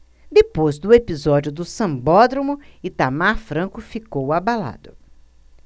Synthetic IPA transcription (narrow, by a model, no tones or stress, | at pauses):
d̪epojzd̪ʊepizɔd͡ʒʊd̪ʊsɐ̃mbɔd̪ɾomʊɪt̪amaɾfɾɐ̃kʊfikowabala̰d̪ʊ